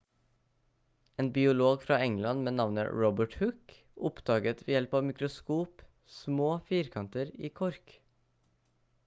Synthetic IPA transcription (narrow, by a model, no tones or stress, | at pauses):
eːnbɪʊloːɡfɾɑːɛŋlɑnmeːnɑʋnə̰ɹɔbəʈhʉk | ʊpd̪̥ɑːɡət̪ʋeːjɛlpɑːʋmɪkɾʊskuːp | smoːfiːɾkʰɑnt̪əɾiːkʰɔɾk